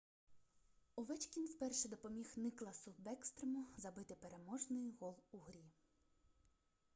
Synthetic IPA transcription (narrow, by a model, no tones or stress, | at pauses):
ʊʋɛt͡ʃkʲinwpɛrʃɛd̪ɔpɔmʲixnɪklˠɐsʊbɛkst̪ɾemʊzɐbɪt̪ɪpeɾemɔʒnɪjɦɔlˠuɦɾʲi